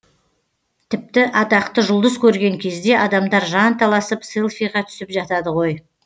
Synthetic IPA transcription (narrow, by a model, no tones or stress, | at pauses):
t̪ʰɪp̚t̪ɪʔɑt̪ɑqt̪əʒʊlˠd̪əskʲʰɵɾɡʲe̞ŋkʲʰe̞zd̪e̞ʔɑd̪ɑmd̪ɑɾʒɑnt̪ʰɑlˠɑsəpselˠfijʁɑt̪ʰʏ̥sɪpʒɑt̪ɑd̪əʁo̞j